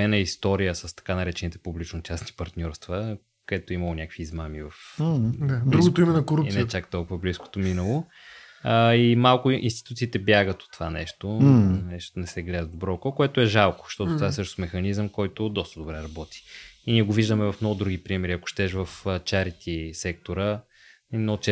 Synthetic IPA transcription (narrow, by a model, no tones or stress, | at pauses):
ɛnəist̪ɔɾijəsəst̪ɐ̥kanɐɾɛt͡ʃɛnit̪ɛpublit͡ʃnot͡ʃasni̥pɐɾt̪nʲɔɾst̪və | koɛt̪oimɐlˠonʲakəkv̥iːzmamivɐfd̪ad̪ɾuɡot̪oimɛnɐkoɾupisniɛt͡ʃakt̪ɔlˠkʊvɐblisko̥t̪ominəlˠo | əimalˠkʊinst̪i̥t̪ut̪siːt̪ɛbjaɡət̪ot̪ːvanɛʃt̪onɛʃt̪onɛsɛɡlɛd̪əd̪obɾɔkɔkoɛt̪oɛʒalˠko̥ʃt̪ɔt̪ot̪ovaɛsɤʃno̥smɛxɐnizəmkɔjt̪ʊd̪ɔst̪əd̪obɾɛɾɐbɔt̪i̥inʲiɛɡoviʒd̪əmɛvɐfmnɔɡʊd̪ɾuɡʲipɾimɛɾiɐkʊ̥ʃt̪ɛʃvɐfət͡ʃaɾit̪ʲisɛk̚t̪oɾə | inɔt͡ʃɛ